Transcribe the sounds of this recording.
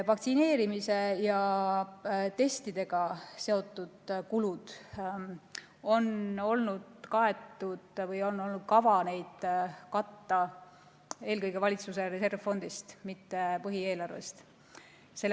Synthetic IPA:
vɑkt̪sine̞ːɾimise̞jɑ | t̪e̞st̪id̪̥e̞ɡ̥ɑse̞o̞t̪ˑːud̪̥kulud̪̥ | o̞no̞lnud̪̥kɑe̞t̪ːˑud̪̥vɤjo̞nːo̞lnud̪̥̚kɑvɑne̞jd̪̥kɑt̪ːɑ | e̞ːlkɤjɡ̥e̞vɑlʲit̪sus̬e̞ɾe̞se̞rvfo̞nd̪̥ist̪mit̪ːe̞pɤɦie̞ːlɑrve̞̰st̪ | se̞lː

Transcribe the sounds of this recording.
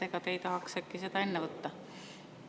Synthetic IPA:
ekɑt̪eit̪ɑɦɑksekːiset̪ɑe̞nːevɤt̪ːɑ

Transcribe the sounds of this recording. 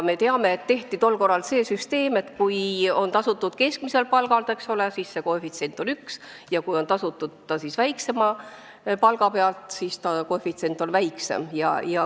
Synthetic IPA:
me̞t̪e̞ɑme̞ːt̪ːe̞ht̪it̪o̞lko̞rːɑlse̞ːsyst̪e̞ːme̞t̪kujo̞nt̪ɑsut̪ːud̪̥ke̞sk̚mise̞lpɑlɡ̥ɑlt̪e̞ksole̞sisːe̞kofit̪se̞nt̪ˑo̞nyks | jɑkujo̞nt̪ɑsut̪ːud̪̥ːɑsisvæjkse̞mɑ | pɑlɡ̥ɑpe̞ɑlt̪sist̪ɑkofit̪se̞nt̪ːˑo̞nvæjksḛmjɑ̰jɑ

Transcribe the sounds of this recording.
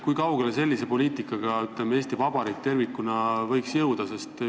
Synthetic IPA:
kujkɑwɡe̞lese̞lʲːise̞po̞lʲiːt̪ikːˑɑɡ̥ɑyt̪lemee̞ːsʲt̪ivɑb̥ɑɾid̪̚t̪ːe̞rvikːˑunɑvɤ̞jksjɤwd̪̥ɑse̞st̪

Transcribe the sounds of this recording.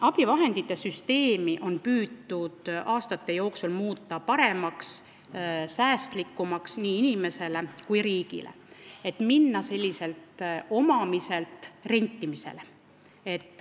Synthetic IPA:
ɑb̥ivɑɦe̞nd̪̥it̪ːˑe̞syst̪e̞ːmiʔo̞npyːd̪ːud̪̥ʔɑːst̪ɑt̪ːe̞jo̞ːksulmuːt̪ːˑɑpɑɾe̞mɑks | sæːst̪likːumɑksniːinime̞se̞le̞kujɾiːɡ̥ḭlʔḛe̞t̪ːminːɑse̞lʲːise̞lt̪o̞mɑmise̞lt̪ˑre̞nʲt̪ːimise̞̰le | e̞t̪ːˑ

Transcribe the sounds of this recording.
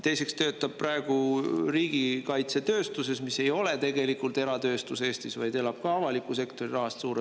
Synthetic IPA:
t̪e̞jse̞kst̪ø̞ːt̪ːˑɑb̚prɑe̞ɡ̥uriːɡ̥ikɑjt̪se̞t̪ø̞ːst̪use̞smise̞jo̞let̪e̞ɡ̥e̞likult̪e̞ɾɑt̪ø̞ːst̪use̞ːst̪isvɑjd̪e̞lɑb̥̚kɑɑvɑlikːˑuse̞kt̪o̞ɾirɑɦɑst̪suːɾe

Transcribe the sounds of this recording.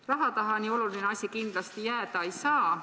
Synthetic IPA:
rɑɦɑt̪ɑɦɑnio̞lulineɑsʲikind̪̥lɑst̪ijæːd̪̥ɑejsɑː

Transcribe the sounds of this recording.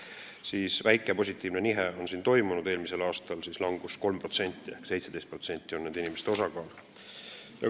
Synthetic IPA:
siːsvæjkːˑe̞po̞sʲit̪ːˑiːvne̞niɦeo̞nsiːnt̪o̞jmunud̪e̞ːlmise̞lɑːst̪ɑlsislɑŋɡ̥usko̞lmpro̞t̪se̞nʲt̪ˑːie̞hkse̞jt̪sed̪̥e̞st̪̚pro̞t̪se̞nʲt̪ːˑio̞nneːd̪̥inimest̪eo̞sɑkɑːl | jɑ̰

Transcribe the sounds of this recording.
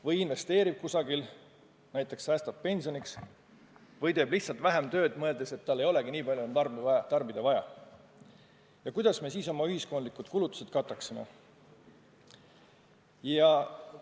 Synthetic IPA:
vɤjinve̞st̪e̞ːɾib̥̚kusɑɡil | næjt̪ːˑe̞ksæːst̪ɑp̪̚pe̞nʲsio̞niks | vɤjt̪eːb̥liht̪sɑlt̪væɦemt̪ø̞ːd̪mɤe̞ld̪̥e̞se̞t̪ːɑlːejo̞le̞ɡiniːpɑljuont̪ɑrbɑt̪ɑrbid̪̥ɑvɑjɑ | jɑkujd̪̥ɑsme̞ːs̬iːso̞mɑyhisko̞nlikːˑud̪̥kulut̪ːˑu̥se̞d̪̚kɑt̪ːˑɑksimḛ | jɑ

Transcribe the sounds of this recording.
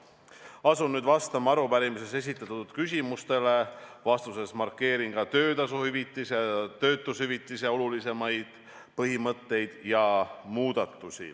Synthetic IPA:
ɑsunyːd̪vɑst̪ɑmɑɑɾupæɾimise̞se̞s̬ʲit̪ːˑɑt̪ːˑud̪̥kys̬ʲimust̪e̞le̞vɑst̪use̞smɑrkːe̞ːɾiŋɡ̥ɑt̪ø̞ːd̪ɑsuhyvit̪ˑːiset̪ø̞ːt̪ːˑushyvit̪ːˑis̬eo̞lulise̞mɑjd̪̥ | pɤɦimɤt̪ːe̞jd̪̥jɑmuːd̪̥ɑt̪ːˑusʲḭ

